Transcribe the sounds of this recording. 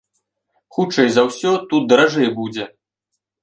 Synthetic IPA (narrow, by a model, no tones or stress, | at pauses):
xut͡ʂɛjzɐwsʲɔt̪ut̪̚d̪ɐɾaʐɛjbud͡zʲɛ